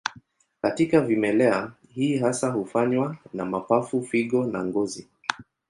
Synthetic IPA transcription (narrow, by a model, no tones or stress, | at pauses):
katikavimɛlɛa | hiːɦasahufaɲwanamapafufiɠɔna̰ŋɡɔzi